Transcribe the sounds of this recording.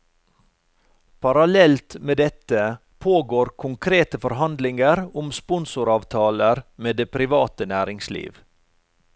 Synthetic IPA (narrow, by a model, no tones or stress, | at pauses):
pʰɑɾɑlɛlt̪meːd̪ɛt̪ə | pʰoːɡoːɾkʰʊŋkʰɾeːt̪əfɔɾhɑnd̪lɪŋəɾʊmspʊnsʊɾɑːʋt̪ʰɑːləɾmeːd̪eːpʰɾɪʋɑːt̪ənæːɾɪŋslḭːʋ